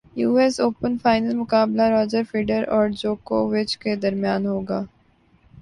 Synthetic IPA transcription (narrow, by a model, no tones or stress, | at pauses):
juːɛsoːpənfaːɪnəlmʊkaːblaɾɔːd͡ʒəɾfɪːɖəɾɔːɾd͡ʒoːko̰ʋɪt͡ʃked̪ɐɾmɪjaːnɦoːɡaː